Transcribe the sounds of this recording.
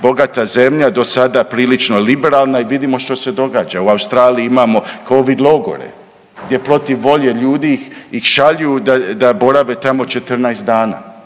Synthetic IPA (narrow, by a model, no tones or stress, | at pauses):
bo̞ɡat̪aze̞mʎad̪o̞sad̪apɾiːlit͡ʃno̞libe̞ɾalˠnaiʋid̪imo̞ʃt̪o̞se̞d̪o̞ɡaːd͡ʒauawst̪ɾaːliiimaːmo̞koʋid̪lˠo̞ɡo̰ɾḛ | ɡd̪je̞pɾo̞t̪iʋːo̞ʎe̞ʎuːd̪ixixʃaʎujud̪ad̪abo̞ɾaʋe̞t̪amo̞t͡ʃe̞t̪r̩naest̪d̪aːna̰ː